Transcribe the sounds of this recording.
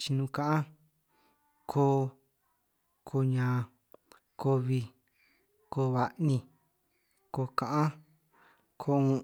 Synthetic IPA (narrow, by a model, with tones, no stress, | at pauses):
t͡ʃi˧nũ˧kã˦ʔã˦ | kʰo˧˦ | kʰo˧ɲã˧ | kʰo˧βi˧ | ko˧βa˧ʔnĩ˧ | ko˧kã˨ʔã˦ | kʰo˧ũ˧